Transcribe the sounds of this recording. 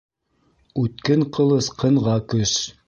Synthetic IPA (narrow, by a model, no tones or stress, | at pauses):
ʉt̪̚kɘŋqɤ̆lˠɤsqʰɤ̆ɴʁɑkɵʃ